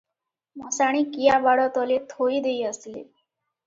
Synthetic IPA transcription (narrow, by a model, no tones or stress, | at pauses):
m̤ɔsaɽ̃iːkijabaɽɔt̪ɔlet̪ʰoiːd̪eiəst̪lḛ